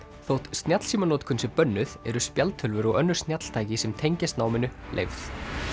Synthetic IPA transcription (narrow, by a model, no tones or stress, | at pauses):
θowht̪st̪njat̪l̥siːmanɔːt̪kʰʏnsʏpœnːʏðɛɾʏspjalt̪ʰʏlvʏɾɔɣœnːʏɾst̪njat̪l̥t̪ʰaːjcɪsɛmt̪ʰejɲcɪst̪naːwmɪnʏlʔḛjvθ